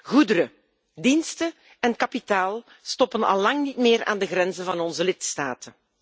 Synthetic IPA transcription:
ɣudəɾə | dinstə | ɛnkɑpitaːlˠ | stɔpənɑ̰lːɑŋnitmɪːɾa̰ːndəɣɾɛnzənvɑnɔnzəlɪtstaːtən

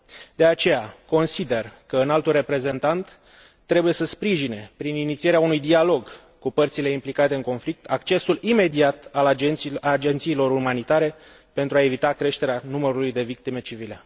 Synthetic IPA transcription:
d̪e̞at͡ʃe̞jako̞nsid̪e̞rkəɨnalt̪ulre̞pɾe̞ze̞nt̪ant̪ː | ɾe̞buje̞səspɾiʒine̞pɾininit̪sie̞ɾeaunujd̪ialo̞ɡ | kupərt̪sile̞implikat̪e̞ɨŋko̞nflik̚t̪ʰakt͡ʃe̞sulime̞d̪iat̪alad͡ʒe̞nt̪siːlo̞ɾumanit̪aɾe̞ | pe̞nt̪ɾuae̞vit̪akɾe̞ʃt̪e̞ɾeanuməɾulujd̪e̞vik̚t̪ime̞t͡ʃivile̞

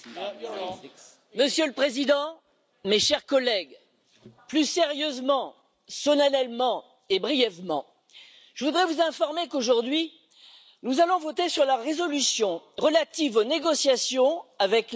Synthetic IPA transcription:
məsjøləpχezid̪ɑ̃ | meʃɛʁkɔlɛɡ | plyseʁjøzmɑ̃ | sɔnanɛlmɑ̃ | ebʁijɛvmɑ̃ | ʒ̥əvud̪ʁɛvuzɛ̃fɔʁmekoʒuʁd̪ɥi | nuzalɔ̃vɔt̪esyʁlaʁezɔlysjɔ̃ʁəlat̪ivoneɡɔsjasjɔ̃avɛk

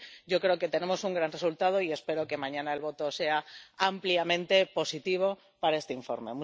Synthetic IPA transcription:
ɟ͡ʝo̞kɾe̞oke̞t̪e̞ne̞mo̞suŋɡɾanre̞sult̪að̞o̞ie̞spe̞ɾo̞ke̞mãɲãnae̞lβo̞t̪o̞se̞aampliamẽ̞nt̪e̞po̞sit̪iβ̞o̞ | paɾaest̪e̞iɱfo̞̰ɾme̞̰mu

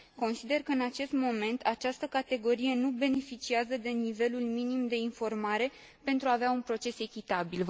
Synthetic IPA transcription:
ko̞nsid̪e̞rkəɨnat͡ʃe̞st̪mo̞me̞nt̪ʰat͡ʃast̪əkat̪e̞ɡo̞ɾije̞nube̞ne̞fit͡ʃiazəd̪e̞nive̞lulminimd̪e̞info̞rmaɾe̞ | pe̞nt̪ɾuaːveaunpɾo̞t͡ʃe̞se̞kʲit̪abil

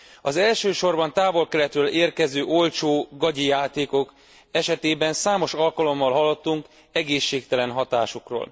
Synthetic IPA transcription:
ɒzɛlʃøːʃo̞rbɒnt̪aːvo̞lkɛɾɛt̪røːleːrkɛzøːʔo̞lt͡ʃoːɡɒɟijaːt̪eːko̞k | ɛʃɛt̪eːbɛnsaːmo̞ʃɒlkɒlo̞mːɒlɦɒlːot̪ːuŋk | ɛɡeːʃːeːkt̪ɛlɛnɦɒt̪aːʃokro̰ːl

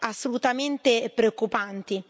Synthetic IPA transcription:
asːolut̪ament̪epɾeokːupant̪i

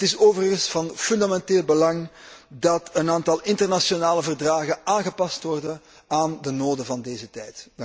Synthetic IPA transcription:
ətɪsoːvərəɣənsfɑnfʏndamɛnteːlˠbəlɑŋdɑtənaːntɑlˠɪntərnasonaːləvərdraːɣənaːnɣəpɑstʋɔrdən | aːndənoːdəvɑndeːzətɛjt

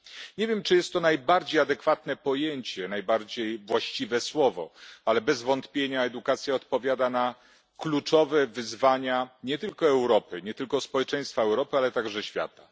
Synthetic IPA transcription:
ɲevʲjɛmt͡ʂɨjɛst̪ːɔnajbaɾd͡ʑejad̪ɛkfat̪nɛpɔjeɲt͡ɕɛnajbaɾd͡ʑejvwaɕt͡ɕivɛswɔvɔ̰alɛbɛzvɔnt̪pʲjeɲaɛd̪ukat̪sʲjaɔt̪pɔvʲjad̪ana | klut͡ʂɔvɛvɘzvaɲaɲɛt̪ɘlkɔɛwɾɔpɘɲɛt̪ɘlkɔspɔwɛt͡ʂɛj̃st̪faɛwɾɔpɘalɛt̪aɡʐɛɕfʲja̰t̪a

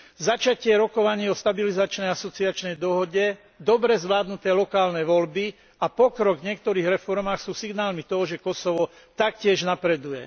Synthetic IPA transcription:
zat͡ʃacɪɛɾɔkɔʋaɲiːɔst̪abilizat͡ʃnɛjasɔt͡siat͡ʃnɛjd̪ɔɦɔɟɛ | d̪ɔbɾɛzʋlaːd̪nut̪ɛːlɔkaːlnɛʋɔlbi | ʔapɔkɾɔɡvɲɪɛk̚t̪ɔɾiːɣɾɛfɔɾmaːxsuːsiɡnaːlmit̪ɔɦɔʒɛkɔsɔʋɔ | t̪akcɪɛʒnapɾɛd̪ujɛ

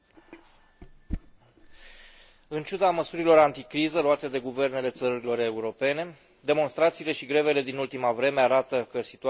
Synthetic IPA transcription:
ɨnt͡ʃud̪aməsuɾilo̞ɾant̪ikɾizəluat̪e̞d̪e̞ɡuve̞rne̞le̞t̪səɾuɾilo̞ɾe̞uɾo̞pe̞ne̞ | d̪e̞mo̞nst̪ɾat̪siːle̞ʃiɡɾe̞ve̞le̞d̪inult̪imavɾe̞meaɾat̪əkəsi̥t̪u

